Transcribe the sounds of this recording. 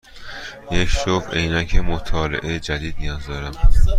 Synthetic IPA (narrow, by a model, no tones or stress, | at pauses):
jecʃofejnæcʰemot̪ʰɒːlḛʔejd͡ʒæd̪iːd̪̚nijɒːzd̪ɒːɾæm